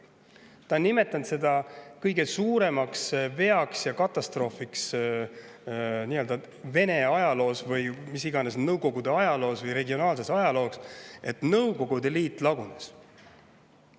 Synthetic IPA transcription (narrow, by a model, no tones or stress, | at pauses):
t̪ɑnːime̞t̪ːˑɑnt̪se̞d̪ɑkɤjɡe̞suːɾe̞mɑksve̞ɑksjɑkɑt̪ːˑɑst̪ro̞ːfiks | niːø̞ld̪ɑ | ve̞ne̞ɑjɑlo̞ːsvɯjmisiɡ̥ɑnesnɤwko̞ɡ̥ud̪̥e̞ɑjɑlo̞ːsvɤjɾe̞ɡio̞nɑːls̬e̞sɑjɑlo̞ːse̞t̪ˑnɤwko̞ɡ̥ud̪e̞liːt̪ːˑlɑɡunes